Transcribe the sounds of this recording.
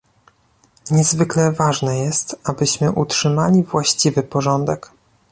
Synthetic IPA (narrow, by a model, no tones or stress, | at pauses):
ɲɛzvɘklɛvaʐnɛjɛst̪abɘɕmɘʔutʂɘmalʲivwaɕt͡ɕivɘpɔʐɔnd̪ɛk